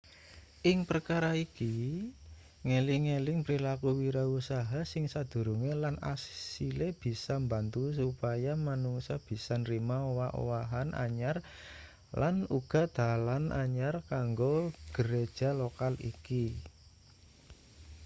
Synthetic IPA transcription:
ʔɪŋpərkaɾaiki | ŋeliŋelɪŋpɾilakuwiɾausaɦasɪŋsad̪̥ṳɾuŋelana̰ssileb̥i̤samba̤nt̪us̬upajamanuŋsab̥i̤sanrimaowaʔo̰waɦanʔa̰ɲar | lanuɡ̥a̤d̪̥a̤lanʔa̰ɲarkaŋɡoɡ̥əɾed̥ʒ̥a̤lokalḭki

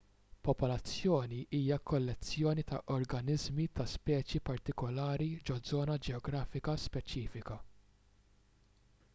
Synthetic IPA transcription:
pɔpɔlɐt͡sːjɔːniʔiːjɐkɔlːɛt͡sːjɔːnit̪ɐʔɔɾɡɐnɪzmit̪ɐspɛːt͡ʃjipɐɾt̪ɪkɔlɐːɾid͡ʒɔd͡zɔːnɐd͡ʒɛɔɡɾɐːfɪkɐspɛt͡ʃiːfɪkɐ

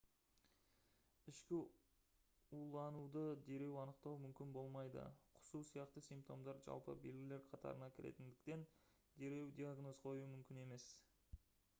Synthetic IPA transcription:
ɪʃkʲɪ | ulˠɑnud̪əd̪e̞ɾe̞wɑnəqt̪ɑwmʏmkʲɪnbo̞lˠmɑjd̪ə̰qʰʊ̥susijɑqt̪əsijmp̚t̪o̞̰md̪ɑɾʒɑ̰lˠpə̰be̞lɡʲɪle̞ɾqʰɑt̪ʰɑ̰ɾənɑkʲʰɪɾe̞̰t̪ɪnd̪ɪk̚t̪e̞n | d̪e̞ɾe̞wd̪iaɡno̞zqʰo̞jumʏmkʲɪne̞me̞s

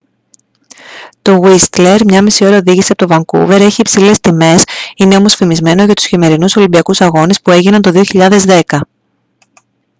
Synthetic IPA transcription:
t̪o̞ɣist̪leɾmɲɐmisio̞ɾɐo̞ðiʝisiɐpot̪ovɐŋkṵve̞ɾe̞çiːpsile̞st̪ime̞sine̞o̞mo̞sfimizme̞no̞ʝɐt̪u̥sçime̞ɾinuso̞limbiɐkusɐɣo̞ne̞spue̞ʝinɐnt̪o̞ðioçiʎɐðe̞zðe̞kɐ

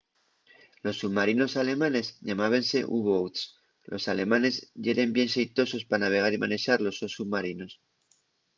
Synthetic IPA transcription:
lo̞sːuβmaɾino̞sale̞mane̞zʎamaβ̞ense̞ʔuβowt̪s | lʔo̞̰sale̞mãne̞zʝe̞ɾe̞mbje̞nsejt̪o̞so̞spanaβ̞e̞ɣ̞aɾima̰ne̞ʃaɾlo̞sosuβmaɾino̞s

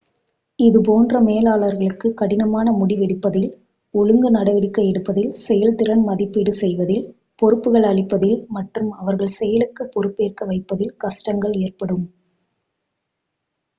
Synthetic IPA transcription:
ɪðɯp̬oːndrɐmeːlaːɭɐɾɣɐɭɯkːɯkːɐɽɪnɐmaːnɐmʊɽɪʋɛɽɯpːɐðɪl | ɔɻɯŋɡɐnɐɽɐʋɪɽɪkːɐjɛɽɯpːɐðɪlsɛjɐlt̪ɪɾɐnmɐðɪpːɪɽɯsɛjʋɐðɪl | pɔɾɯpːɯɣɐɭɐɭɪpːɐðɪlmɐʈrɯmɐʋɐɾɣɐɭsɛjɐlɯkːɯpːɔɾɯpːeːrkɐʋɐɪpːɐðɪlkɐʂʈɐŋɡɐɭeːrpɐɽɯm

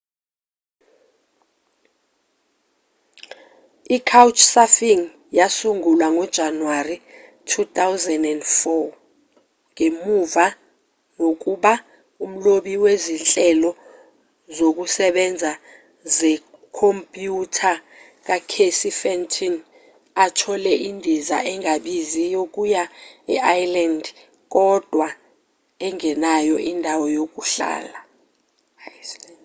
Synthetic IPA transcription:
ikʰawt͡ʃʰsafiŋ | jasuŋulwaŋɔd̥ʒ̥ʱanwari | tʰutawzɛndɛndfɔ | ŋemuva | ŋok̬ʼuɓa | um̩loɓiwezinɬʼɛlɔ | zok̬ʼusɛɓɛnd͡zʱa | zɛ | kʰompʼjutʰa | k̬akʰesifɛntʰʼin | atʰɔlɛʔindʱiza̰ɛŋaɓizijok̬ʼujaɛʔajlandʱ | k̬ʼɔd̥ʱwa | ɛŋɛnajɔʔindʱawɔjok̬ʼuɬa̰ːla

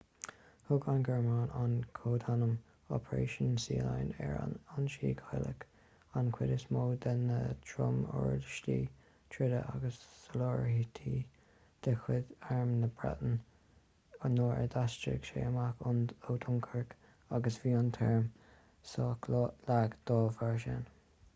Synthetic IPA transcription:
hʊɡanɡɛɹmaːnʔankʰoːd̪anəm | ɔ̰pʰəɹḛːʃənsiːlajnɛ̰ɹa̰nanʃiːɡʰajlə̰k | ankʰwɪdəsmoːd̪ənət̪ʰɾʊmɔ̰ɹdʃliː | t̪ʰɹɪdəʔaɡəssəlɔːɹhit̪ʰiː | d̪̥əxwɪd̪aɹmnəbɹa̰d̪ən | noːɛ̰ɹd̪ast͡ʃə̰ɡʃeːəmakʊnoːd̪ʰʊŋkʰəɹk | aɡəsviːant̪ʰɛɹm | sɔkllaɡd̪̥ɔːvaɹʃɛn

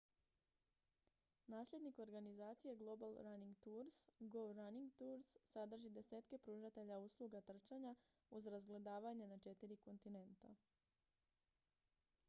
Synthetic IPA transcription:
naːslʎʲed̪niko̞ɾɡanizaːt̪sije̞ɡlˠo̞balˠɾaniŋɡt̪uɾsɡoɾaniŋɡt̪uːɾsːad̪r̩ʒid̪e̞se̞ːt̪ke̞pɾuːʒat̪e̞ʎauslˠuɡat̪r̩t͡ʃaɲa | uzɾazɡle̞d̪aːʋaɲe̞nat͡ʃe̞t̪iɾiko̞nt̪ine̞nt̪a̰

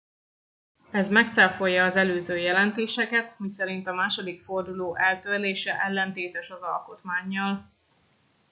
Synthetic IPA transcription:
ɛzmɛkt̪sɛlfo̞jːɒːzɛløːzøːjɛlɛnt̪eːʃɛkɛt̪misɛɾint̪ɒmaːʃo̞d̪ikfo̞rd̪uloːʔɛlt̪ørleːʃɛʔɛlːɛnt̪eːt̪ɛʃɒzɒlko̞t̪maːɲːɒl

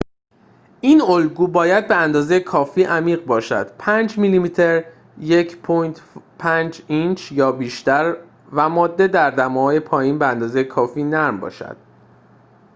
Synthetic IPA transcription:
iːnolɡuːbɒːjæd̪̚be̞ænd̪ɒːzejekʰɒːfiːʔæmiːɣbɒːʃæ̰d̪̥pʰænd͡ʒmilimiːt̪ʰeɾ | jecʰpʰojt̪ʰpʰænd͡ʒint͡ʃʰjɒːbiːʃt̪æɾ | væmɒːd̪ːe̞d̪æɾd̪æmɒːɒːjepʰɒːjiːnbeænd̪ɒːzejekʰɒːfiːnæɾmbɒ̰ːʃæ̰d̪̥̚

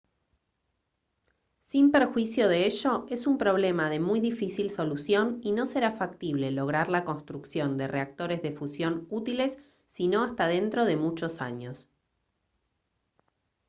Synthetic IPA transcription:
simpeɾxwisjo̞ð̞eeʃo̞e̞sumpɾo̞β̞le̞maðe̞mujðifisilso̞lusjo̞nino̞seɾafak̚t̪iβle̞lo̞ɣ̞ɾaɾlako̞nst̪ɾuksjo̞nd̪ereak̚t̪o̞ɾe̞zðefusjo̞nut̪ile̞sː | ino̞ast̪að̞e̞nt̪ɾo̞ð̞e̞mut͡ʃo̞sa̰ɲo̞s

